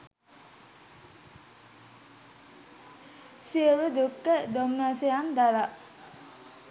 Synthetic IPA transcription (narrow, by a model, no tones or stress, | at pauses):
siəʋəd̪ukːəd̪omnasejamd̪ala